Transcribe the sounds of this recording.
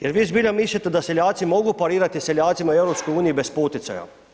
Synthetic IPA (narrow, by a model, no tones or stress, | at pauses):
jɛɾʋizbiːlʲamislʲat̪ed̪aselʲjaːt̪simoɡupaɾiːɾat̪iselʲjaːt̪simaewɾopskojuːnijibespoːt̪it̪a̰ja̰